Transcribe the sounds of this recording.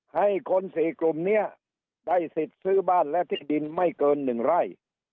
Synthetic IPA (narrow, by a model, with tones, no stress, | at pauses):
ha˥˩jkʰo˧nsiː˨˦klu˨˩mni˦˥˩ɐ | da˥˩jsi˨˩t̪̚sɯː˥˩baː˥˩nlɛ˦˥t̪ʰiː˥˩di˧nma˥˩jkɤː˧nːɯ˨˩ŋɾa˧˥˩j